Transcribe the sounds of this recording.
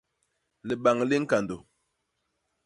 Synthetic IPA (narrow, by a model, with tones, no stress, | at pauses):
lə˨ɓa˨ŋ˨li˦ŋ̩˦ka˨ndo˨